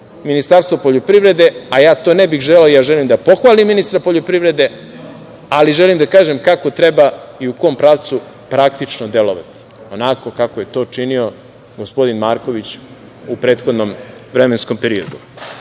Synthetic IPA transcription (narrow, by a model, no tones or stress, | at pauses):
minist̪aːɾst̪ʋopo̞ʎopɾiʋɾe̞d̪e̞ajaːt̪o̞ːnebixʒeleojaːʒelimd̪apo̞xʋaːlimːinist̪ɾapoʎopɾiʋɾe̞d̪e̞ | aliʒelimd̪akaːʒe̞mkakot̪ɾe̞baiuko̞mpɾaʋt̪su | pɾak̚t̪it͡ʃnod̪eloʋa̰t̪i̥onako̞kakoje̞t̪o̞ːt͡ʃinio̞ | ɡospo̞d̪inmaːɾko̞ʋit͡ɕ | upɾeːt̪xod̪no̞mʋɾe̞mensko̞mpe̞ɾiod̪u